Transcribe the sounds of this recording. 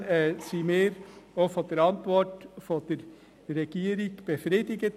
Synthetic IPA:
siːmeːɾofɔt̪əɾɑnt̪ʋɔʈfod̪əɾ | ɾɛɡ̥eːɾɪkb̥əfɾet̪ɪɡət̪

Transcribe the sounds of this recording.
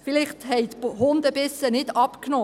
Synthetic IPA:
fɪlɪχthɛɪt̪hʊnd̪əb̥ɪsənɪdɑpknɔː

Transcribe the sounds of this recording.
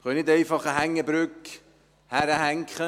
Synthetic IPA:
χœnɪdɛɪfɑχəhæŋːəbɾʏk | hæɾəhæŋkχə

